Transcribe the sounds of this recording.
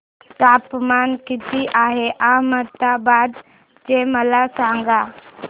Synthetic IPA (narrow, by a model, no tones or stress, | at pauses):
t̪apmankit̪iʔaɦeʔamət̪abad̪ | d͡ʒeməlasaŋɡa